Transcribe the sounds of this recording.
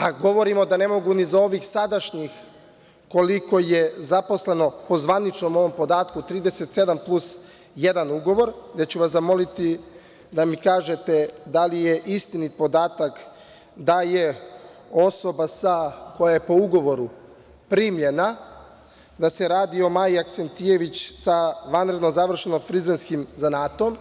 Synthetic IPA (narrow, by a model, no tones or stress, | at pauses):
aɡo̞ʋo̞ɾimo̞d̪ane̞mo̞ɡunizao̞ʋixsad̪aʃɲix | ko̞liko̞je̞zapo̞sle̞no̞po̞zʋanit͡ʃno̞mo̞ʋo̞mpo̞d̪aːt̪kut̪ɾiːd̪e̞set̪se̞d̪amplˠus | jed̪anuɡo̞ʋo̞ɾd̪at͡ɕuʋaszamo̞lit̪i | d̪amikaːʒet̪ed̪alije̞ʔist̪inipo̞d̪aːt̪ak | d̪aje | o̞so̞basako̞jajepo̞uɡo̞ʋo̞ɾu | pɾimʎe̞na | d̪ase̞ɾaːd̪io̞maːjiaksent̪ije̞ʋit͡ɕsaʋanɾe̞d̪no̞zaʋr̩ʃenomfɾizenskimzanaːt̪oom